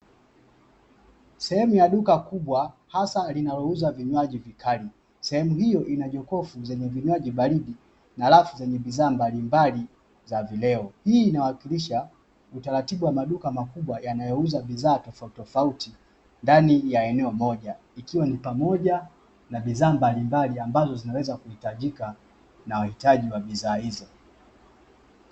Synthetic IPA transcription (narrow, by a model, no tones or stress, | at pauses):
sɛhɛmujaɗukakuɓwa | hasalinalɔuzaviɲwaʄivikʰali | sɛhɛmuhijɔʔinaʄɔkɔfuzɛɲɛviɲwaʄiɓaliɗi | nalafuzɛɲɛɓiðaːmbalimbali | zavilɛɔhiːnawakiliʃa | utaɾatiɓuwamaɗukamakuɓwajanajɔuzaɓizaːtɔfatɔfauti | ndanijaɛnɛɔmɔʄa | ikiwanipamɔʄa | naɓizaːmbalimbaliambazɔzinawɛzakuhitaʄika | nawahitaʄiwaɓiðaːhizɔ